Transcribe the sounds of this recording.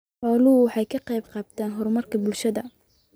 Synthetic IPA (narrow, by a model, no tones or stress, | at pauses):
ʕɔːlʊwɑħɑjkʰɐqɑjbqɑːbt̪ʰaːnɦɔrmɐrkʰɐbʊlʃɐðɐ